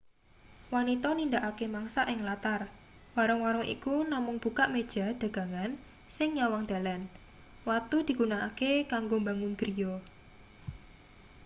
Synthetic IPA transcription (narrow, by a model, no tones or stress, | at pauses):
wanit̪ɔnind̪aʔakemaŋsaʔɪŋlat̪ar | waɾəŋwaɾəŋʔḭkunamʊŋb̥ukaʔmed̥ʒ̥a̤d̪̥a̤ɡ̥a̤ŋan | sɪŋjawaŋd̪̥a̤lan | wat̪ud̪̥i̤ɡ̥unaʔakekaŋɡombaŋʊnɡ̥ɾijɔ